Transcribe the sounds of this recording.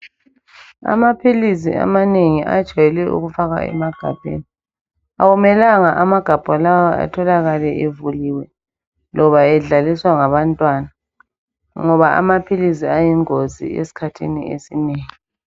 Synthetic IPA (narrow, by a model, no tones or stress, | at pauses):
a̰mapʰilis̬ḭa̰maneŋiʔa̰̥t͡ʃajɛlɛʔṵɣufaɣa̰ɛ̰maɡ̥ʱa̰b̥ʱḛni | a̰wumɛlaŋaʔamaɡ̥ʱab̥ʱɔlawɔa̰tʰɔlaɣalɛʔevuliːwɛ | lʔɔβaɛɮaliswaŋaβantʼwaːna | ŋɔβaʔa̰mapʰilis̬iajiŋozḭḛsi̥kʰatʰḭnḭesineːŋi